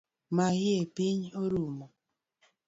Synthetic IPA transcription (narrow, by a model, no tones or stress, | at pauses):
mahɪepiɲoɾumo